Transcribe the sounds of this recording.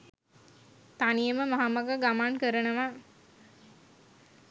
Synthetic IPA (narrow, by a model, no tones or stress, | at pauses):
t̪anijəməmaɦamaɡəɡamankəɾənəʋa